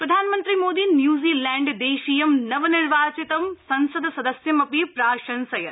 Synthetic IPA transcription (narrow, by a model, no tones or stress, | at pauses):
pɾɐd̪ʱaːnmɐ̃nt̪ɾimoːd̪injuːziːlɛ̃ːɳɖd̪eːʃijɐmnɐʋnɪɾʋaːt͡ʃɪt̪ɐmsɐ̃nsɐd̪ʱsɐd̪əsjɐmɐpipɾaːʃɐnsɐjɐɾ